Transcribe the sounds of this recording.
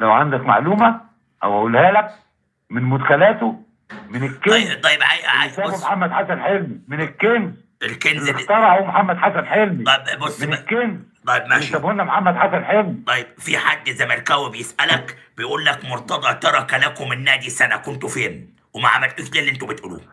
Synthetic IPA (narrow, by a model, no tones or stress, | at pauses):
læwʕand̪ækma̰ʕluːmæ | ʔæ̰wæʔuːlhæːlæk̚ | mɪnmʊd̪xælæːt̪o | mɪnekːeɑnjt̪ˤɑjːebʕajʔʕa̰jt̪æːbomħamːæd̪ħasænħelmimenekːenz | elkenlext̪ɑɾˤɑʕuːmħamːæd̪ħasænħelmiˤɑbbosːmenkːenzt̪ˤɑjebmæʃæbhonːæmoħamːæd̪ħasænħelmit̪ˤɑjːebfiħad̪ːzæjmːælkæwibejesʔælæk | bejʔuːlːækmoɾt̪ɑd̪ˤɑʕt̪ɑɾˤɑkælækomenːæːd̪isænækont̪ofeːn | wemæʕa̰mælt̪iːʃliːlːʔent̪̬ubet̪ʔuːlṵː